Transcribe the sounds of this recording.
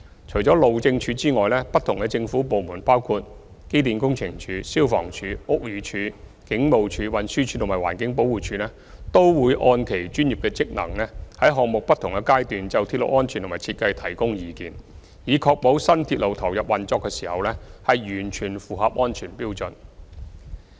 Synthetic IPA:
t͡ʃʰɵ˨˩jt͡ʃɔː˨˥lo˨wt͡sɪ˧ŋt͡ʃʰyː˨˧t͡siː˥ŋɔː˨jlɛː˥pɐ˥t̪ʰʊ˨˩ŋkɛ˧t͡sɪ˧ŋfuː˨˥po˨wmuː˨˩npaː˥wkʰuː˧t̚ | ke˥jt̪̬iː˨nkʊ˥ŋt͡sʰɪ˨˩ŋt͡ʃʰyː˨˧siː˥wfɔ̰ː˨˩ŋt͡ʃʰyː˨˧ʊ˥k̚jyː˨˧t͡ʃʰyː˨˧˥ | kɪ˨˥ŋmo˨wt͡ʃʰyː˨˧wɐ˨˩nsyː˥t͡ʃʰyː˨˧t̪ʰʊ˨˩maː˨˩waː˨˩nkɪ˨˥ŋpo˨˥wuː˨t͡ʃʰyː˨˧lɛː˥ | t̪o˥wwuː˨˧jʔɔː˧nkʰe˨˩jt͡ʃyː˥nji˨p̚kɛː˧t͡sɪ˥k̚nɐ̰˨˩ŋlɛː˥hɐ˨˥jɦɔː˨k̚mʊ˨k̚pɐ˥t̪ʰʊ˨˩ŋkɛ˧kaː˥jt̪yː˨nt͡sɐ˨wt̪ʰi˧t̚lo̰˨˩wʔɔː˥nt͡ʃʰy˨nt̪o˨˩maː˨˩t͡sʰiː˧t̚kɐ˧jt̪ʰɐ˨˩jkʊ˥ŋjiː˨˧kiː˨n | jiː˨˧kʰɔː˧k̚po˨˥wsɐ˥nt̪ʰiː˧t̚lo˨˧wt̪ʰɐ˨˩wjɐ˨p̚wɐ˨˩nt͡sɔː˧kːɛː˧si̥ː˨˩hɐ˨wlɛː˥hɐ˨jjyː˨˩nt͡ʃʰyː˨˩nfuː˨hɐ˨p̚ʔŋɔː˥nt͡ʃʰyː˨˩npiː˥wt͡sɵ˨n

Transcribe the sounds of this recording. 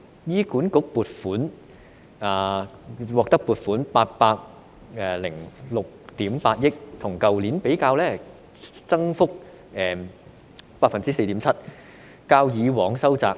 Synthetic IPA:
jiː˥kuː˨˥nkʊ˨˥k̚puː˨˩t̚fuː˨˥n | aː˨˩wɔː˨k̚t̪ɐ˥k̚puː˨˧t̚fuː˨˥npaː˧t̚paː˧k̚ | ɛː˨˩lɪ˨˩ŋlʊ˨k̚t̪iː˨˥mpaː˧t̚jɪ˥k̚t̪ʰʊ˨˩ŋkɐ˨wliː˨˥npe˨˥jkaː˧wlɛː˥ | t͡sɐ˥ŋfʊ˥k̚ | ɛː˨˩ | paː˧t̚fɐ˨nt͡siː˥se˧jt̪iː˨˥mt͡sʰɐ˥t̚ | kaː˧wjiː˨˧wɔː˨˧˥ŋsɐ˥wt͡sa̰ː˧k̚

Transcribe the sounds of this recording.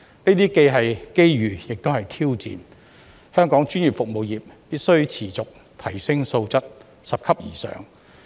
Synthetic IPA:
neː˥t̪iː˥ke˧jɦɐ˨jke˥jɥyː˨˩jɪ˨k̚t̪o˥hɐ˨jt̪ʰiː˥wt͡sḭː˨n | hœː˥ŋkɔː˨˥ŋt͡ʃyː˥njy˨p̚fʊ˨k̚mo˨wjiː˨p̚piː˥t̚sɵ˥ɥt͡sʰiː˨˩t͡sʊ˨k̚ | t̪ʰɐ˨˩jsɪ˥ŋso˧wt͡sɐ˥t̚ | sɐ˨p̚kʰɐ˥p̚jḭː˨˩sœ̰ː˨ŋ

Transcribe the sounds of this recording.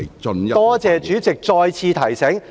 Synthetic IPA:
t͡ʃɵ˧njt̪ɔː˥t͡sɛː˨t͡ʃyː˨˥t͡sɪ˨k̚t͡sɔː˧jt͡sʰiː˧t̪ʰɐ˨˩jsɛ˨˥ŋ

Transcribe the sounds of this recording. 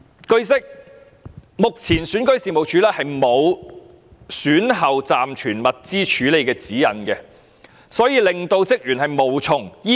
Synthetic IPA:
kɵ˥ɥsɪ˥k̚ | mʊ˨k̚t͡sʰiː˨˩nsyː˨˥nkɵ˥ɥsiː˨mo˨wt͡ʃʰyː˨˥lɛː˥hɐ˨jmo˨˧w | syː˨˥nɦɐ˨wt͡saː˨mt͡ʃʰyː˨˩nmɐ˨t̚t͡siː˥t͡ʃʰyː˨˥le˨˧jkɛː˧t͡siː˨˥jɐ̰˨˥nkɛː˧ | sɔː˨˥jiː˧lɪ˨ŋt̪o˧wt͡sɪ˥k̚jyː˨˩nhɐ˨jmo˨wt͡sʰʊ˨˥ŋjiː˥

